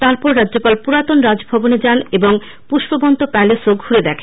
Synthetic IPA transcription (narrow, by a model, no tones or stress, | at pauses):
t̪aɾpɔɾɾadːʑopalpuɾat̪onɾad͡ʑbʱɔboned͡ʑaneboŋ | puʃbobɔnt̪opɛlesoɡhuɾed̪ɛkʰe